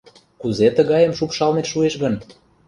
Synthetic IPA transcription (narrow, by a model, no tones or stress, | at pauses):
kuzet̪ə̆ɣɑjəmʃupʃɑlneʃueʃɣən